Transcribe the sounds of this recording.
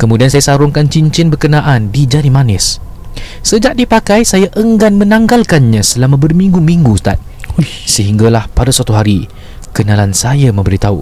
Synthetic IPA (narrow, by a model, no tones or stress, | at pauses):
kəmudiansajasaɾʊŋkant͡ʃiɲt͡ʃɪnbərkənaʔandid͡ʒanimanɪs | səd͡ʒaʔ̚dipakajsajaʔəŋɡanmə̃naŋɡalkanɲãsəlamãbərmiŋɡumiŋɡust̪a̰t̪̚səɦiŋɡalahpadaswat̪uɦaɾi | kənalansajamə̃mbəɾit̪aṵ